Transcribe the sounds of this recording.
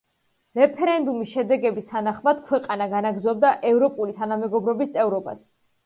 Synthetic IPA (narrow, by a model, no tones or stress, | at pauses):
ɾɛpʰɛɾɛnd̪umisʃɛd̪ɛɡɛbist̪ʰanaχmad̪̥kʰwɛqʼanaɡanaɡɾzɔb̚d̪aʔɛvɾɔpʼulit̪ʰanamɛɡɔbɾɔbist̪sʼɛvɾɔba̰s